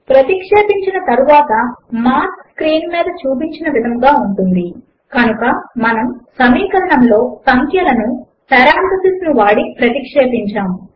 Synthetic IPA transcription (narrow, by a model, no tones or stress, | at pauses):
pɾɐt̪ikʂeːpiɲt͡ʃinɐt̪ɐɾuʋaːt̪ɐmaːskskɾiːnmiːd̪ɐt͡ʃuːp̬iɲt͡ʃinɐʋid̪ʱɐmɡaːuɳʈund̪i | kɐnukɐmɐnɐmsɐmiːkɐɾɐɳɐmlo̞ːsɐŋkʰjɐlɐnu | sɐɾaːnt̪ɐsisnuʋaːɽipɾɐt̪ikʂeːpiɲt͡ʃaːm